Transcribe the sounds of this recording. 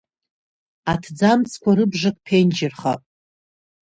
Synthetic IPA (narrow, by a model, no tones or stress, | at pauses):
atʰd͡zamt͡sʰkʷaɾɨbʐakʼpʰend͡ʒɪrχapʼ